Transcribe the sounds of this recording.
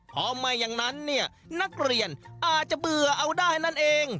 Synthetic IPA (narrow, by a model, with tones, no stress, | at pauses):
pʰɔː˧˥maː˧ja˨˩ŋna˦˥nːi˥˩ə | na˦˥k̚ɾi˨˩ənʔaː˨˩t̪̚t͡ɕa˨˩bɯ˨˩ɐʔa˧wdaː˥˩hna˥˩nʔeː˧ŋ